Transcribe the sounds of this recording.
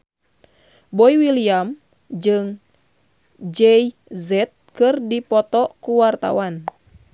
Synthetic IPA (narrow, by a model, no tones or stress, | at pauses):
bɔiwiliam | d͡ʒɨŋ | d͡ʒɛj | zɛt̪̚kɨrdipɔt̪ɔkuwart̪a̰wan